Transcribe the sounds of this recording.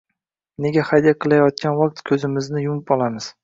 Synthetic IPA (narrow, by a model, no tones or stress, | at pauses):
ne̞ɡʲaχajd̪ijaqʰɨlˠajɒt̪̚kʲʰanvak̚t̪kʲʰɵzɪmɪznɪjʊmɪpɒlˠamɪz̥